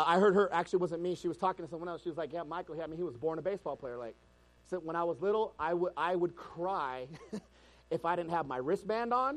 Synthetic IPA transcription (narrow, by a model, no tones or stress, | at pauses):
aɪɦɜ˞d̚ə˞ʔæk̚t͡ʃʉl̩ˠiwʌzɨ̃nmiʃiwʌz̥tʰɔkɪ̃ŋtɨsʌ̃mwʌ̃ñɛlˠsʃiwʌzlaɪk̬jæmaɪkl̩ˠhiɹaɪm̃nhiwʌzbɔɹnəbeɪsb̥ɔlˠpʰl̥eɪə˞laɪk̚ | sɪwə̃ɾ̃aɪwʌzlɪɾl̩ˠaɪwəʔaɪwəd̚kʰɹ̥aɪ | ɨfaɪɾɪdⁿn̩thɨvmaɪɹɪsb̥æ̃ndn̩